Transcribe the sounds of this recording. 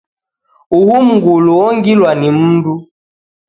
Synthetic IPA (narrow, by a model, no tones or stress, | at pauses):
uhum̩ɡuluɔŋɡilwanim̩ndu